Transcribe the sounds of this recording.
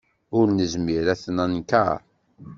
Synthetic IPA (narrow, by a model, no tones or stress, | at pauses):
ʊɾnəzmiɾæθnænka̰ɾ